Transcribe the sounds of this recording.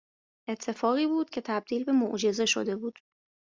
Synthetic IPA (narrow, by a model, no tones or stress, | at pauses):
ʔe̞t̪ʰːe̞fɒːɣiːbuːd̪̥cʰe̞t̪ʰæb̚d̪iːlbe̞moʔd͡ʒe̞ze̞ʃo̰d̪e̞buːd̪̥